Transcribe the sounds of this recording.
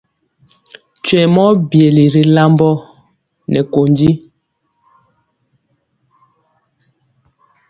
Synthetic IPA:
t͡ʃwɛ˨mɔ˦bje˨li˨ɾi˨la˦mbɔ˦ | nɛ˨ko˨ndi˦

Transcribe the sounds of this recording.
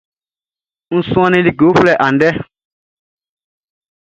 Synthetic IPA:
ñ̩˦sũ˦ã˧nĩ˦li˨ɡo˨˦flɛ˨ʔã˨n̩˨dɛ˦

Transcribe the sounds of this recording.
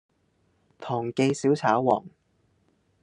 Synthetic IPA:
t̪ʰɔː˨˩ŋke˧jsiː˨˥wt͡sʰaː˨˥wwɔ̰ː˨˩ŋ

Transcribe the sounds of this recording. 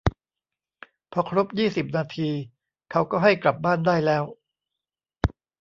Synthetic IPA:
pʰɔ˧kʰɾo˦˥p̚jiː˥˩si˨˩p̚naː˧t̪ʰiː˧ | kʰa˦˥wkɔː˥˩ɦa˥˩jkla˨˩p̚baː˥˩ndaː˥˩jlɛː˦˥w

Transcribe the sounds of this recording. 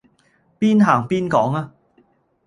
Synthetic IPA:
piː˥nɦaː˨˩ŋpiː˥nkɔː˨˥ŋaː˧

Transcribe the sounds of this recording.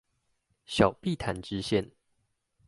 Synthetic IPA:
ɕjɑ˨˩ʊpi˥˨t̪ʰa˨˦nʈ͡ʂɻ̩˦ɕjɛ˥˨n

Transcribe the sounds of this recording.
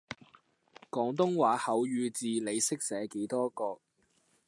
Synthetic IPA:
kɔː˨˥ŋt̪̬ʊ˥ŋwaː˨˥hɐ˨˥wjyː˨˧t͡siː˨le˨˧jsɪ˥k̚sɛː˨˥ke˨˥jt̪ɔː˥kɔː˧k̚

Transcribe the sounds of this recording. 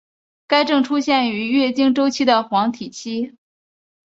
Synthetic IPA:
ka˥ɪʈ͡ʂɤ˥˩ŋʈ͡ʂʰu˥ɕjɛ˥˩ny˧˥ɥɛ˥˩t͡ɕi˥ŋʈ͡ʂo˥ʊt͡ɕʰi˥d̪ə˨xwɑ˧˥ŋt̪ʰi˨˩t͡ɕʰi˥

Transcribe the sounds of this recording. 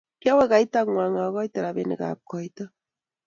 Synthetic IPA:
kja˦wɛ˦ɣa˨i˦ta˦ŋwa˨ŋa˨ɣɔ˦itaɾa˨βenḛ˨ɣa̰˨kɔitɔ˦

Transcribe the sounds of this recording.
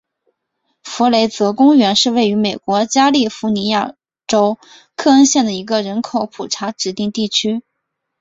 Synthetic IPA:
fu˧˥le˧˥ɪt͡sɤ˧˥kʊ˥ŋɥɛ˧˥nʂɻ̩˥˧we˥˩ɪy˧˥me˨˩ɪkwɔ˧˥t͡ɕja˥li˥˩fu˧˥ni˧˥ja˥˩ | ʈ͡ʂo˥ʊ | kʰɤ˥˧ə˥nɕjɛ˥˩nd̪ə˩i˧˥ɡə˧ɻə˧˥nkʰo˧˥ʊpʰu˨˩ʈ͡ʂʰa˧˥ʈ͡ʂɻ̩˨˩t̪i˥˧ŋt̪i˥˩t͡ɕʰy˥

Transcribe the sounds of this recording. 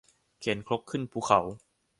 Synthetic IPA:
kʰeː˩˦nkʰɾo˦˥k̚kʰːɯ˥˩npʰuː˧˥˩kʰa˩˦w

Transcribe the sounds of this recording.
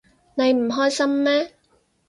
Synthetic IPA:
ne˨˧jm̩˨˩ɦɔː˥jsɐ˥mːɛː˥

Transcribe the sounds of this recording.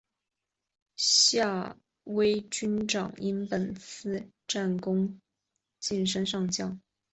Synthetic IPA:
ɕja˥˩ | we˥ɪt͡ɕy˥nʈ͡ʂɑ̰˨˩˦ŋi˥npə˨˩nt͡sʰɹ̩˥˧ | ʈ͡ʂa˥˩nkʊ˥ŋ | t͡ɕi˥˩nʂ̬ə˥nʂɑ˥˧ŋt͡ɕjɑ˥˩ŋ

